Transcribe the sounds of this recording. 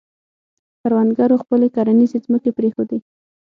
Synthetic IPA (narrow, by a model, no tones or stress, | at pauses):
paɾwanɡaɾoxpəlekɑɾanizezməkepɾexod̪e